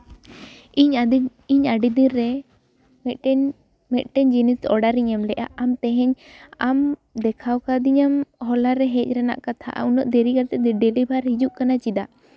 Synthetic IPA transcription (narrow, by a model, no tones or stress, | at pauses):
iɲ | iɲaɖid̪iɾːɛ | mɛt̪̚ˀʈɛɲd͡ʒinisɔɽaɾiɲamlɛʔa̰ʔamt̪ɛɦɛɲ | amd̪ɛkʰawkad̪iɲamɦɔlaɾɛɦɛc̚ˀɾɛna̰ʔkat̪ʰa̰ʔa̰unɔʔd̪ɛɾiɡaɾt̪ɛd̪ɛɖɛlibʱaɾhid͡ʒuʔkanat͡ʃid̪a